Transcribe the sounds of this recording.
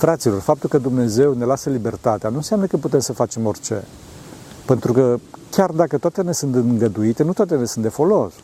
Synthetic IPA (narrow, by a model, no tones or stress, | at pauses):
fɾat̪silo̞rfap̚t̪ulkəd̪umne̞ze̞wne̞lasəlibe̞rt̪at̪eanuɨnsjamnəkəput̪e̞msəfat͡ʃe̞mo̞rʲt͡ʃe̞̰ | pe̞nt̪ɾukəkʲard̪akət̪oat̪ene̞sunt̪ɨɨŋɡəd̪uit̪e̞nut̪oat̪enesunt̪d̪efo̞lo̞s